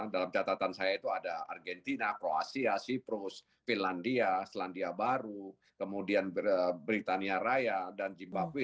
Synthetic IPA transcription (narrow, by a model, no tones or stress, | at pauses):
dalamt͡ʃat̪at̪ansajait̪uadaa̰rɡɛnt̪inakɾoa̰siasipɾʊs | finlandiaslandiabaɾu | kəmudianəbɾit̪aniaɾajadand͡ʒimbakwi